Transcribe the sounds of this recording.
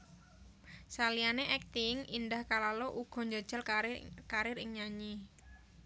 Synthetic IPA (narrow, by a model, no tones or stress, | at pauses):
salijaneʔɛk̚t̪ɪŋindahkalaloʔuɡ̥ɔ̤ɲd͡ʒad̥ʒ̥a̤lkaɾɪɾɪŋɲaɲi